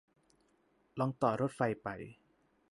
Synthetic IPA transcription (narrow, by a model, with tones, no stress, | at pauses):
lɔ˧ŋt̪ɔː˨˩ɾo˦˥t̪̚fa˧jpa˧˩j